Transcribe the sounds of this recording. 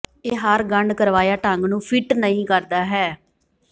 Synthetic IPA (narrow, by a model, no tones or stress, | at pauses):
eːɦəɾɡəɳɖkəɾʋaːjaːʈəŋɡnũːpʰɪʈnəĩːkəɾd̪aːɦɛː